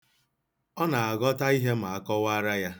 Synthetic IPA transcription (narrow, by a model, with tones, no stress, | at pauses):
ɔ˦na˨a˨ɡɔ˦ta˦i˦ɦe˦ma˨a˦kɔ˦wa˦ɾa˦ja˦